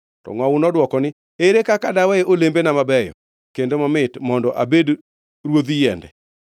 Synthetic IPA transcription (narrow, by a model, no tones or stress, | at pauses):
tɔ̰ŋwawʊnɔdwɔkɔnɪ | eɾekakadawɛeʔolembenamabɛjɔ̰ | kendomamɪtmɔndɔʔabed | ɾwod̪ijɛndɛ̰